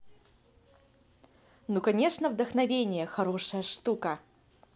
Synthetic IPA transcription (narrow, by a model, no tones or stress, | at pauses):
nukɐnʲeʂnəvd̪əxnɐvʲenʲɪjəxɐɾoʂəjəʂt̪ukə